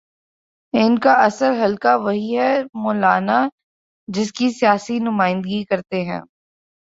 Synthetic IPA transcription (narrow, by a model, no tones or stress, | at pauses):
ɪnkaʔɐsəɾɦɐlkaʋɐɦiɦɛmoːlaːna | d͡ʒɪskisijaːsinʊmaːɪ̃nd̪əɡikɐɾt̪eɦɛ̰̃ː